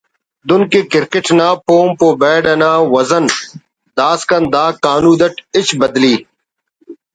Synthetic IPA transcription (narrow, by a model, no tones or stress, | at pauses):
d̪ʊnkekɪɾkɪʈnaːpoːmpoːbeːɖɐnaːwɐzɐn | d̪aːskɐnd̪aːkaːnuːd̪ɐʈɪt͡ɕbɐd̪liː